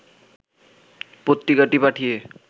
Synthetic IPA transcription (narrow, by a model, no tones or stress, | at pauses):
pot̪ːɾikaʈipaʈʰije